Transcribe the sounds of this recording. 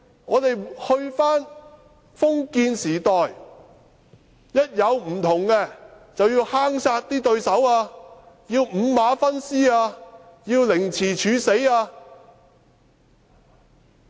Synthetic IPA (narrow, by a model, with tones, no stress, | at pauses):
ŋɔː˨˧t̪e˨jhɵ˧ɥfaː˥n | fʊ˥ŋkiː˧nsiː˨˩t̪ɔː˨j | jɐ˥t̚jɐ˨˧wm̩˨˩t̪ʰʊ˨˩ŋkɛː˧ | t͡sɐ˨wjiː˧whaː˥ŋsaː˧t̚t̪iː˥t̪ɵ˧ɥsɐ˨˥waː˧ | jiː˧wm̩ː˨˧maː˨˥fɐ˥nsiː˥aː˧jiː˧wlɪ˨˩ŋt͡sʰiː˨˩t͡ʃʰyː˨˧se˨˥jaː˧